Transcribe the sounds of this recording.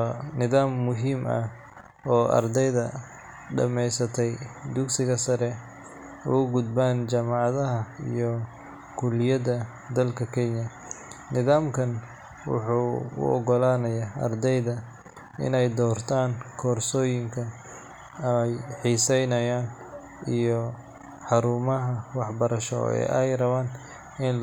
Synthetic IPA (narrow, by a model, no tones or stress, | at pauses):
nɪðaːmːʊɦiːmɐ̰ | ɔːʔɐ̰rd̪ɛjðɐ | ɖɐ̰mɛjsɐt̪ʰɛjd̪ʊksɪɣɐsɐɾɛ | ʊʊɡʊd̪̚baːnt͡ʃaːmɑʕɑðɐɦɐḭjɔ | kʰʊlɪjɐðɐ | d̪ɐlkʰɐkʰɛɲjɐ | nɪðaːmkʰɐn | wʊ̰ħuːʊ̰ʔɔɣɔlaːnɐjaːɐ̰rd̪ɛjðɐ | ɪ̰nɛjd̪ɔːrt̪ʰaːnkʰɔːrsɔːjɪŋkʰɐ | jħiːsɛjnɐjaːn | ijɔ | ħɑɾuːmɐɦɐwɑħbɐɾɐʃɔ̰ɛ̰ːʔɛjrɐβaːn | ɪn